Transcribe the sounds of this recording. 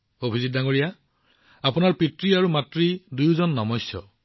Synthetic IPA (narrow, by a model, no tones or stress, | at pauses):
obʱizid̚daŋoɹija | apunaɹpitɹiaɹumatɹidujzɔnːɔmɔjsjɔ̰